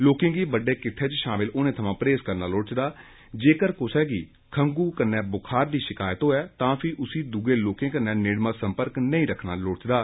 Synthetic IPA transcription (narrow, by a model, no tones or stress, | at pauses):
loːkɪ̃ŋɡiːbəɖeːkɪt̪ʰːeːt͡ʃʃaːmɪloːnẽːt̪ʰəmãːpɾeːskəɾnaːloːɽt͡ʃd̪aː | d͡ʒeːkəɾkʊsɛːɡiː | kʰəŋɡuːkənːɛ̃ːbʊkʰaːɾd̪iːʃɪkaːjət̪ɦoːɛːt̪ãːpʰɪʔʊsiːd̪uɡeːloːkẽːkənɛːneːɽmãːsə̃mpəɾknəĩːɾəkʰnaːloːɽt͡ʃd̪aː